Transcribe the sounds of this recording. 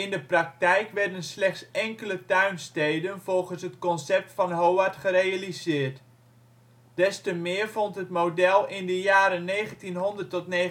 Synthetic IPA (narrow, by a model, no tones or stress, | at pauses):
ɪndəprɑk̚tɛjkʋɛɹdənslɛχtsɛŋkələtœɥnstejdənvɔlˠχənsɦətkɔnsɛp̚tfɑnɦowaɹtχərejalizɪːrt | d̥ɛstəmɪːrvɔntɦətmowdɛlˠɪndəjaːɾənːeːχəntinɦɔndərtɔtne